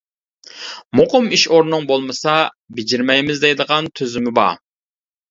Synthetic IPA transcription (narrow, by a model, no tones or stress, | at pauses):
moqʊmiʃoɾnɨŋbolˠmɨsɑ | bed͡ʒiɾmɛjmɪzd̪ɛjd̪əʁɑnt̪ʰøzɪmɪbɑ̰